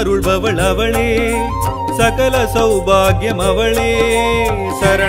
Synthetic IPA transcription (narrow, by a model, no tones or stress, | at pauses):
ɾuɭbɐʋɐɭɐʋɐɭeː | sɐkɐlɐsɐwbʱaːɡjɐmɐʋɐɭeː